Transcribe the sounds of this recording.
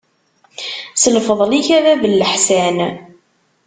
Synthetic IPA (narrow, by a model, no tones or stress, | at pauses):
səlfəðˤliçævævəlːəħsæn